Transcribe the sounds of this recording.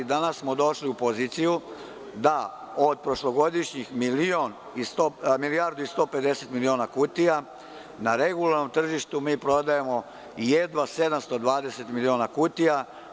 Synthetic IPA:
d̪anassmo̞d̪o̞ʃliupo̞ziːt̪siju | d̪a | od̪̚pɾo̞ʃlo̞ɡo̞d̪iʃɲixmilio̞n | ist̪omilijaːɾd̪uist̪o̞ːpe̞d̪e̞se̞t̪milio̞ːnakut̪ia | naɾe̞ɡulaɾno̞mt̪r̩ʒiʃt̪umiːpɾo̞d̪ajemo̞ | jed̪ʋase̞d̪amst̪od̪ʋaːd̪e̞set̪milioːnakut̪ija

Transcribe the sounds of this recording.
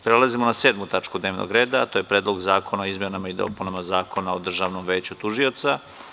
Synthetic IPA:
pɾelazimonaseːd̪mut̪at͡ʂkud̪neːʋnʔo̰ɡɾeːd̪at̪oje̞pɾeːd̪lo̞ɡzaːkʰo̞naoizmjenamaid̪o̰punamazaːko̞naod̪r̩ʒaʋno̞mʋe̞ːt͡ɕut̪uʒio̞t̪sa

